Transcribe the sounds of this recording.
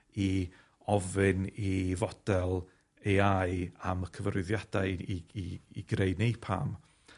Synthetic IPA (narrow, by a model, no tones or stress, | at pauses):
i | ɔvɨnivɔd̥ɛlˠ | ejajaməkʰəvrɨðjad̥aɨiiɡ̥ɾeɨdnepʰa̰ːm